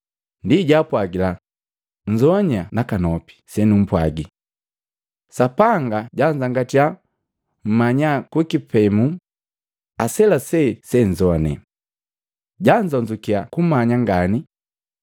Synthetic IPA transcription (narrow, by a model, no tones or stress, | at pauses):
ndiɟapwaɡila | ɲ̩d͡ʒɔɲanakanɔpi̥sɛnum̩pwaɡi | sapaŋɡaɟaɲd͡ʒaŋɡatia | m̩maɲakwukipɛmu | asɛlasɛsɛɲzɔnɛ̰ | ɟaɲd͡ʒɔɲd͡ʒukiakumaɲaŋɡani